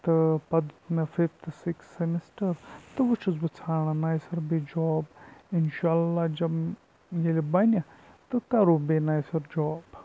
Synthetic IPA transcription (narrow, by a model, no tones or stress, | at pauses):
t̪ɨpɐd̪t̪nɐfift̪ʰɨsiksːemisʈɐɾt̪ɨʋut͡ʃɐzbɨt͡sʰaːɳɐnaːjsɐɾbed͡ʒɔːbinʃaːlːad͡ʒɐb | jelʲibɐnʲɐ | t̪ɨkɐɾubenaːjsɐɾd͡ʒɔːb